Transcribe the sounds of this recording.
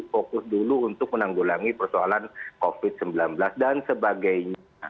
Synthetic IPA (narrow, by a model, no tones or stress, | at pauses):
fokʊsduluunt̪ʊk̚mənaŋɡulaŋipərsoalankofɪt̪̚səmbilanbəlasdansəbaɡajɲaa